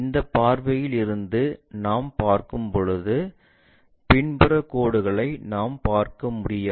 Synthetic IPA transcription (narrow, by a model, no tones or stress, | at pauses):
ɪnd̪ɐpːaːɾʋɐjɪlɪɾɯnd̪ɯnaːmpaːɾkɯmpɔɻɯðɯ | pɪɳbɯɾɐkːoːɽɯɣɐɭɐɪnaːmpaːɾkɐmʊɽɪja